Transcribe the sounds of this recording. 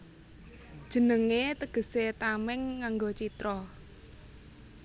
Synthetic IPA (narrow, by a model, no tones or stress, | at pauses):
d̥ʒ̥ə̤nəŋet̪əɡ̥ə̤set̪amɪŋːaŋɡot͡ʃit̪ɾɔ